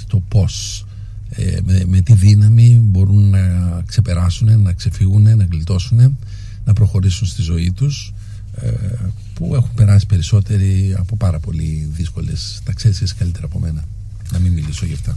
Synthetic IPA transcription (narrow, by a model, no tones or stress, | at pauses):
t̪o̞po̞s | ḛmeme̞t̪iðinɐmibo̞ɾunːɐkse̞pe̞ɾɐsune̞nɐkse̞fiɣune̞nɐɣlit̪o̞sune̞ | nɐpɾo̞xo̞ɾisunst̪izo̞it̪us | e | pue̞xumpe̞ɾɐsi̥pe̞ɾiso̞t̪e̞ɾiɐpo̞pɐɾɐpo̞liðisko̞lest̪ɐksesesi̥kɐlit̪e̞ɾɐpo̞me̞nɐ | nɐmimːilisoʝɐft̪ɐ